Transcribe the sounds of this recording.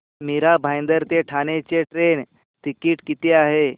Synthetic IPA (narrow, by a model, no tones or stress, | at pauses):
miɾabʱajnd̪əɾt̪eʈʰanet͡seʈɾen | t̪ikiːʈkit̪eaɦe